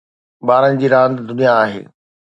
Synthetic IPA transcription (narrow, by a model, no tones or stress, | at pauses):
baːɾənɪ̆d͡ʑiːɾãːnd̪d̪ʊnijaːɦḛː